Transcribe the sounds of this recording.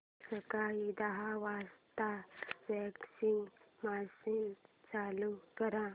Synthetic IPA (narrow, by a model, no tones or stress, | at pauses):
səkaid̪aɦaʋast̪aʋɛksiŋɡmasint͡salukəɾã